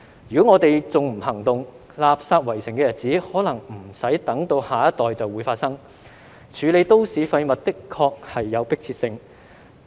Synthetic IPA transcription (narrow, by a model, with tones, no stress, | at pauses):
jyː˨˩kɔː˨˥ŋɔː˨˧t̪e˨jt͡sʊ˨ŋm̩˨˩hɐ˨˩ŋt̪ʊ˨ŋ | laː˨p̚saː˧t̚wɐ˨˩jsɪ˨˩ŋkɛː˧jɐ˨˩t̚t͡siː˨˥hɔː˨˥lɐ˨˩ŋm̩˨˩sɐ˨˥jt̪ɐ˨˥ŋt̪o˧whaː˨˩jɐ˥t̪ɔː˨jt͡sɐ˨wuː˨˧jfaː˧t̚sɐ˥ŋ | t͡ʃʰyː˨˧le˨˧jt̪o˥wsiː˨˧˥fɐ˧jmɐ˨t̚t̪ɪ˥kʰɔː˧k̚hɐ˨jːɐ˨˧wpɪ˥k̚t͡sʰiː˧t̚sɪ˧ŋ